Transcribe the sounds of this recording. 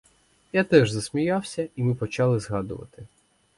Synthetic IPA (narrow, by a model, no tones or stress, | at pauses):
jat̪ɛʒzɐsʲmʲijɑwsʲɐimɪpɔt͡ʃɑlˠɪzɦɑd̪ʊ̰ʋɐ̰t̪ɪ